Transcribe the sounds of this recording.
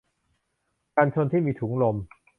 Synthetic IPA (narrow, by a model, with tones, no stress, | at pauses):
kaː˧nt͡ɕʰo˧nt̪ʰiː˥˩miː˧t̪ʰuː˩˦ŋlo˧m